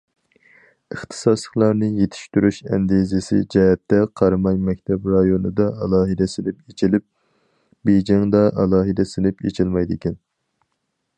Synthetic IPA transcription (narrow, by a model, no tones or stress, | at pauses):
əχt̪ʰɨ̥sɑslˠəχlˠɑɾnɨjet̪ʰɪ̥ʃt̪yɾyʃɛ̰nd̪ezɪsɪ̰d͡ʒɛɦɛt̪ːɛqʰɑɾmɑjmɛk̚ʲt̪ʰɛbɾɑjonɨd̪ɑɑlˠɑːɦɨd̪ɛsɪlɪpet͡ʃʰilɪp̚ | bed͡ʒɪŋd̪ɑʔɑlˠɑːɦɨd̪ɛsɪlɪpḛt͡ʃʰilˠmɑjd̪ɪkʲɛn